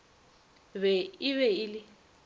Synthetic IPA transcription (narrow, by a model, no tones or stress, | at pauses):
βɛɪβɛɪlɪ